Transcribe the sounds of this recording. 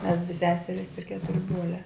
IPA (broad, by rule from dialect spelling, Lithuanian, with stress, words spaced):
mʲɛs dʲʋʲɪ ˈsʲæːsʲɛrʲɪs ɪr ˈkʲæːtʊrʲɪ ˈbruɔlʲæː